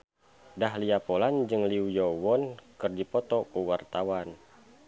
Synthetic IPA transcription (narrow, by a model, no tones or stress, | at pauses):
daɦliapoland͡ʒɨŋliujɔwɔnkɨrdipɔt̪ɔkuwart̪awan